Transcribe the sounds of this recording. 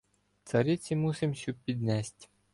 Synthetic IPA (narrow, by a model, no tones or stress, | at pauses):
t̪sɐɾɪt͡sʲimusɪmsʲupʲid̪nɛsʲtʲ